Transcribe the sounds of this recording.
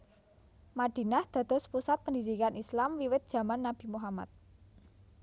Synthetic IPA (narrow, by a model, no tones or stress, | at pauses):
maɖ̥i̤nahd̪̥ä̤d̪̥ɔ̤spusat̪̚pəndid̪ikanʔislamwiwɪt̪̚dʒ̥ä̤manːab̥i̤muɦama̰t̪̚